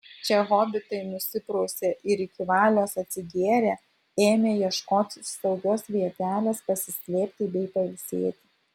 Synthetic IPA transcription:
t͡ʃʲɛɣoːbʲɪt̪ɐɪnʊsʲɪpɾoʊsʲeːʔɪɾɪkʲiʋɑːlʲoːsɐt̪ʲsʲɪɡʲeːɾʲæː | eːmʲeːjiɛʃkoːt̪ʲst̪ɐʊɡʲoːsʋʲiɛt̪ʲæːlʲeːspɐsʲɪsʲlʲeːpʲt̪ʲɪbʲɛɪpɐɪlʲsʲḛːt̪ʲɪ̥

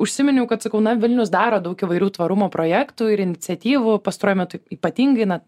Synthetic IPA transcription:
ʊʃʲsʲɪmʲɪnʲʊkɐt̪sɐkɐʊnɐʋʲɪlʲnʲʊs̬d̪ɑːɾoːd̪ɐʊkɪʋɐɪɾʲuːt̪ʋɐɾʊmoːpɾoːjæːkt̪uːɪɾɪnʲɪt̪t͡sʲɛt̪ʲiːʋʊpɐst̪ɐɾoɔjɪmʲæt̪ʊiːpɐt̪ʲiːŋɡɐɪnɐ

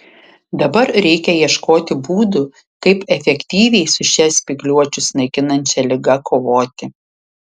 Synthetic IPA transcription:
d̪ɐbɐɾɾʲɛɪkʲɛjiɛʃkoːt̪ʲɪbuːd̪ʊ | kɐɪpɛfʲɛkʲt̪ʲiːʋʲɛɪsʊʃʲɛsʲpʲɪɡlʲuɔt͡ʃʲʊsnɐɪkʲɪnɐnʲt͡ʃʲɛlʲɪɡɐkʰoːʋoːt̪ʲɪ

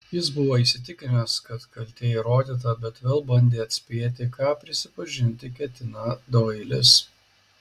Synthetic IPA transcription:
jɪsbʊʋoːisʲɪt̪ʲɪkʲɪnʲɛskɐt̪kɐlʲt̪ʲeːiɾoːd̪ʲiːt̪̬ɐbʲɛt̪ʋʲeːlˠbɐnʲd̪ʲeːɐt̪ʲsʲpʲeːt̪ʲɪkɑːpʲɾʲɪsʲɪpɐʒʲɪnʲt̪ʲɪkʲɛt̪ʲɪnɑd̪oːɪlʲɪs

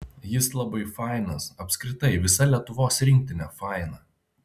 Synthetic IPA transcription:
jɪslˠɐbɐɪfɑˑɪnɐsɐpʲsʲkɾʲɪt̪ɐɪʋʲɪsɐlʲiɛt̪ʊʋoːsɾʲɪŋʲk̚t̪ʲɪnʲɛfɑˑɪnɐ

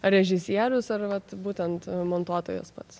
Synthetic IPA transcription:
ɾʲɛʒʲɪsʲiɛɾʲʊsɐrʋɐt̪buːt̪ʲɛnt̪moːnt̪uɔt̪oːjo̰ːspɐt̪s

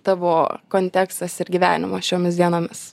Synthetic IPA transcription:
t̪ɑʋoːkoːnʲt̪ʲɛːkst̪ɐsɪɾɡʲiːʋʲæ̰ːnʲɪ̰moːʃʲoːmʲɪsd̪ʲiɛnoːmʲɪs

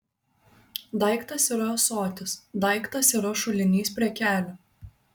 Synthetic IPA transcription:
d̪ɑˑɪkt̪ɐsiːɾɐsoːt̪ʲɪsd̪ɑɪkt̪ɐsiːɾɐʃʊlʲɪnʲiːspʲɾʲiɛkʲæːlʲʊ

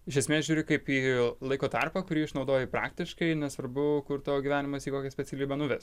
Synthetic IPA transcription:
ɪʃʲɛsʲmʲeːsʒʲuːɾʲɪkɐɪpiːlˠɐɪkoːt̪ɑrpɐkʊɾʲiːɪʃnɒʊd̪oːjɛpɾɑ̰ːkt̪ʲɪʃkɐɪnʲɛsʋɐɾbʊkʊɾt̪ooɡʲiʋʲæːnʲɪmɐsiːkoːkʲɛsʲpʲɛt͡ssʲɪlʲiːbɐnʊʋʲɛs

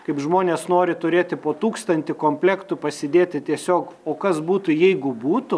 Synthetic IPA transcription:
kɐɪpʒmoːnʲeːsnoːɾʲɪt̪ʊɾʲeːt̪ʲɪpoːt̪uːkst̪ɐnʲt̪ʲɪkoːmʲpʲlʲɛkt̪ʊpɐsʲɪd̪ʲeːt̪ʲɪt̪ʲiɛsʲoːkoːkɐsbuːt̪ʊjɛɪɡʊbuːt̪ʊ

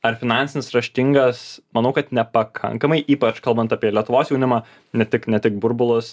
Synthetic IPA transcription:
ɐɾfʲɪnɑnʲsʲɪnʲɪsɾɐʃʲt̪ʲɪŋɡɐsmɐnɐʊkɐt̪nʲɛpɐkʰɐ̰ŋkɐmɐɪʔiːpɐt͡ʃkɐlˠbɐnt̪ɑːpʲiɛlʲiɛt̪ʊʋoːsjɛʊnʲɪmɑː | nʲɛt̪ʲɪknʲɛt̪ʲɪk̚bʊɾbʊlˠʊs

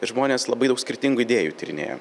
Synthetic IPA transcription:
ʒmoːnʲeːslˠɐbɐɪd̪ɐʊksʲkʲɪɾʲt̪ʲɪŋɡuːɪd̪ʲeːjuːt̪ʲɪɾʲɪnʲḛːjo̰ː

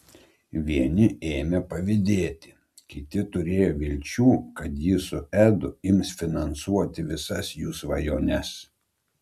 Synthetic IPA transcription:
ʋʲiɛnʲɪeːmʲepɐʋʲɪd̪ʲeːt̪ʲɪ̥ | kʲɪt̪ʲɪt̪ʊɾʲeːjoːʋʲɪlʲt͡ʃʲuːkɐt̪jɪsʊæd̪ʊɪmsfʲɪnɐnsuɔt̪ʲɪʋʲɪsɐsjuːsʋɐjoːnʲɛs

